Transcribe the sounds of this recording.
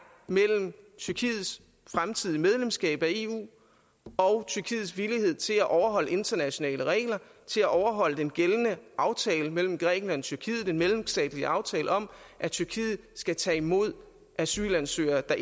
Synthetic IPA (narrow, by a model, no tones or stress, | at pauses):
mel̰m̩t͡sʰyɐkʰiːð̩ˠs | fʁamt͡sʰið̞̰ˠiəmeð̞ˠlemsɡ̥ɛ̰ːb̥æe̝ṵː | ɒ̽ʊt͡sʰyɐkʰḭːð̩ˠsʋilihe̝ð̞̰ˠt͡sʰe̝læʔɒʊɐɦɒ̽l̰əe̝nd̥ɐnæɕo̝nɛ̰ːləʁɛ̰ːɪlɐt͡sʰe̝læʔɒʊɐɦɒ̽l̰əd̥enɡ̥elənəʔɑ̈ʊt͡sʰɛːləmel̰m̩ɡ̥ʁɛ̰ːɡ̥n̩lænɒ̽t͡sʰyɐkʰið̩ˠe̝nmelm̩sd̥ɛ̰ːd̥liʔɑ̈ʊt͡sʰɛːləɒ̽mʔæt͡sʰyɐkʰiːð̩ˠsɡ̥æt͡sʰɛ̰ːimo̝ð̞̰ˠ | ʔæsy̰lænsø̰ːɐd̥ɑ